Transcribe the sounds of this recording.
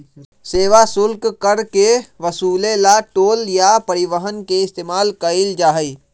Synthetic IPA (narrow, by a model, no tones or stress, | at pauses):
seːʋasʊlkkəɾkeʋəsuːlẽlaʈoːljapəɾɪʋəɦənkeɪst̪eːmaːlkəɪld͡ʒaːɦəi